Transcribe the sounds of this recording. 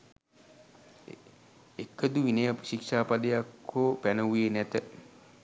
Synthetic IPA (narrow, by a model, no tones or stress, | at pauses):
ekːəd̪uʋinəjapə̥ʃikʂaːpad̪əjakʰːoːpænəʋujenæt̪ə